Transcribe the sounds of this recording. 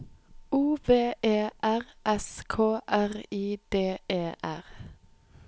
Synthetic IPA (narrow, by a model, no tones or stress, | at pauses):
uːʋeːʔeːʔæʁʔɛskʰoːʔæʁiːd̪̥eːʔeːʔæʁ